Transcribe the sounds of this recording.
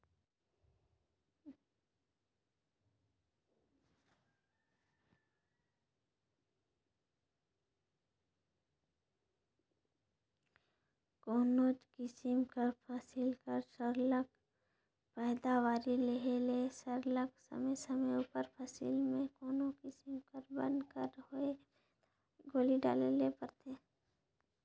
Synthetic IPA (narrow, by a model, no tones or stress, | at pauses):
koːnod͡ʒkɪsɪmkəɾpʰasɪlkəɾsəɾlək | pɛːd̪awaːɾileɦelesəɾləksə̰məsəməuːpəɾpʰasḭlmẽkoːnokɪsɪmkəɾbə̰̃nd̪kəɾhoe | ɡoːliɖa̰ːlelepəɾt̪ʰeː